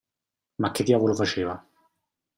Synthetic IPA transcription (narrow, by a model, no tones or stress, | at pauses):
makːet̪iavolofat͡ʃeːva